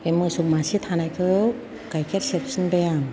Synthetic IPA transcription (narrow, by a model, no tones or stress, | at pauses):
emɯsuk̚masit̪ʰanajkʰɯ | ɡajkʰeɾ̚sepsɯnbajaŋ